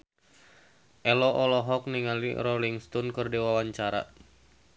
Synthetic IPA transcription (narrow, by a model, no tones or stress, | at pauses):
ʔɛlɔʔɔlɔɦɔk̚niŋalḭrɔliŋst̪ɔnkɨrdiwawaɲt͡ʃaɾa̰